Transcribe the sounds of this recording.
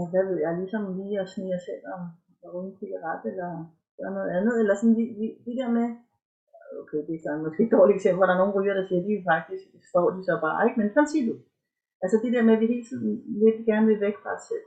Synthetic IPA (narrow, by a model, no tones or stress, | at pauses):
ʋæʋe̝ð̞̰ˠjɑ̈ɪlisɒ̽mliːɒsniɑsel̰ɒ | unpʰelɐʁɑd̥elɐ | ɡ̥ɶɐnɔ̽ːð̩ˠænðˠelɐsɒ̽n̩ʋiʋid̥e̝d̥eɐ̰me | okʰeɪd̥esɒnmɒ̽sɡ̥e̝ɡ̥̚d̥ɒːlieɡ̥sem̰b̥l̩ɒɾ̥ɑ̈no̝ːn̩ʁyːɐɾ̥ɑ̈siːɐd̥iʋefɑ̈ɡ̥̚d̥isɡ̥sd̥ɒ̰ːd̥isɒ̽b̥ɑ̈ːe̝ɡ̥mensʰɑnsiɐd̥u | ʔælsəd̥e̝d̥eɐ̰meʋiɦe̝̰ːlsɒnʋeɡ̥d̥iɡ̥æɐnəʋe̝ʋeɡ̥fʁɑ̈ɒsel̰